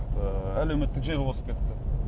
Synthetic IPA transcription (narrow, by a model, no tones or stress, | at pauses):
t̪əæle̞wme̞t̪ːɪkʒeɾwosəp̚kʲʰe̞t̪ːɪ